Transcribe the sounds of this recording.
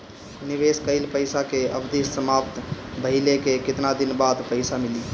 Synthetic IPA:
nibeskəɪlpəjsakeəbd̪issəmapt̪bəɦilekekɪt̪nad̪inbad̪pəɪsamili

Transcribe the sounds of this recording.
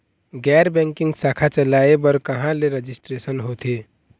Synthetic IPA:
ɡɛɾbɛ̃ŋkĩŋɡsakʰat͡ʃəlaebəɾkəɦãleɾed͡ʒisʈɾesənɦot̪ʰe

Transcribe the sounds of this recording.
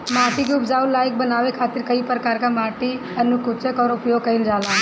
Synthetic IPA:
maːʈikiʊpzaːulaːɪk̚bənaːʋekʰaːt̪ɪɾkəipɾəkaːɾkamaːʈi | ənʊkʊt͡ʃekɔːɾʊpjoːɡkəɪnd͡ʒaːlaː

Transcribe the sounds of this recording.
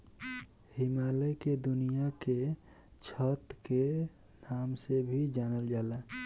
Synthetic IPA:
himaleked̪unijake | t͡ʃʰət̪ke | namsebʱid͡ʒanəld͡ʒalɛ

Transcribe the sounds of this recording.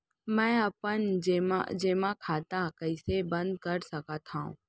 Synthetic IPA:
mɛ̃ːɐpənːma̰d͡ʒeːmãkʰaːt̪akəɪsebə̃nd̪kəɾsɐkat̪ʰãṵ̃ː

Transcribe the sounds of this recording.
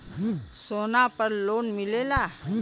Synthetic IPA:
sonapəɾlonmilela

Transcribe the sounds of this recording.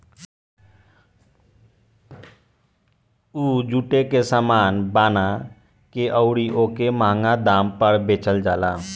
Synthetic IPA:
ud͡ʒuʈekesamaːnbana | keʔəʊɽiʔokemãŋɡad̪ampəɾbet͡ʃəld͡ʒala

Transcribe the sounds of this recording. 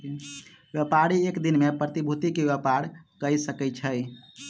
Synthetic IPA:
bjepaɾiekd̪inmepɾət̪ibʱut̪ikebepaɽkəjsəkɛt͡ʃʰəj

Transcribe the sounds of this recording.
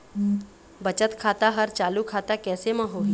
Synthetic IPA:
bɐt͡ʃət̪kʰaːt̪aɦɐɾt͡ʃaːlukʰaːt̪akɛːsemãɦoːɦi

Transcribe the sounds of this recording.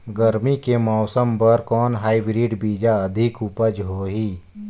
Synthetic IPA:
ɡəɾmikemɔːsəmpɐɾkɔːnɦaːibɾiːɖbiːd͡ʒaɐd̪ʱɪkupəd͡ʒɦoːɦiː

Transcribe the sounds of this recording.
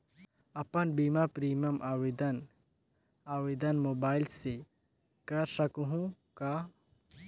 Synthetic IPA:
ɐpənbiːmapɾiːməmʔaːwed̪ən | aːʋeːd̪ənmoːbaːɪlse | kɐɾsəkuɦũ | kaː

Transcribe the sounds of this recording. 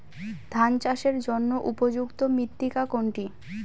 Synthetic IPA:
d̪ʱant͡ɕaʃeɾd͡ʑonːoʔupod͡ʑukt̪omit̪ːikakoɳʈi

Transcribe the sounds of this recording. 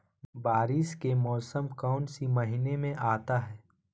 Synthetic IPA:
baːɾɪskemɔːsəmkɔːnsimɐɦɪnemẽʔaːt̪aɦɛː

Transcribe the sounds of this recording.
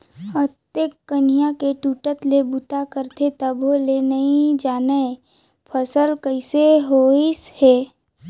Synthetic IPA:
ət̪ekːənijãkeʈuːʈət̪lebut̪akəɾt̪ʰet̪əbʱolenəĩd͡ʒaːnə | pʰəsəlkəɪseɦoisheː

